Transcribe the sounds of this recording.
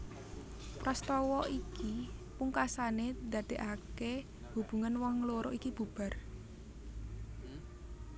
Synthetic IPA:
pɾast̪ɔwɔʔikipuŋkasaned̪̥ä̤d̪̥e̤ʔake | hub̥ṳŋanwɔŋloɾɔʔikib̥ṳb̥a̤r

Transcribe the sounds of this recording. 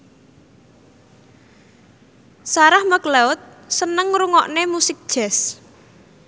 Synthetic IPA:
saɾahməkleʊt̪̚ | sənəŋɾuŋɔʔnemusɪk̚d̥ʒ̥ɛs

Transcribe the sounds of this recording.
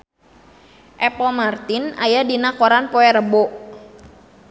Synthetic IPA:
ʔɛpɔmart̪ɪnajadinakoɾanpɔɛɾəboʔ

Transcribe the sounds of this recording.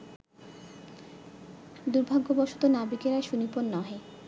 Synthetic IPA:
d̪uɾbʱaɡːobɔʃut̪onabikeɾaeʃuniponːɔɦe

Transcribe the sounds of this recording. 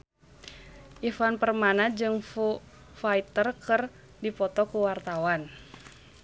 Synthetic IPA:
ʔifanpərmanad͡ʒɨŋfu | fait̪ərkɨr | dipɔt̪ɔkuwart̪awan

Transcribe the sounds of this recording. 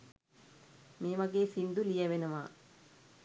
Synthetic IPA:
meːʋɐɡeːsind̪ulijɐʋenɐʋaː

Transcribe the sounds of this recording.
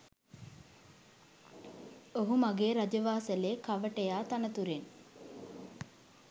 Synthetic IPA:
oɦumaɡeːɾad͡ʒəʋaːsəleːkaʋəʈəjaːt̪anət̪uɾen

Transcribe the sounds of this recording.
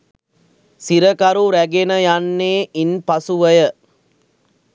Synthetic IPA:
siɾəkaɾuɾæɡenəjanːeːʔinpɐsuʋəjə

